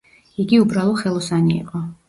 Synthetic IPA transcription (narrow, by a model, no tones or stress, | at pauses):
iɡiubɾalˠɔχɛlˠɔsanḭːqʼɔ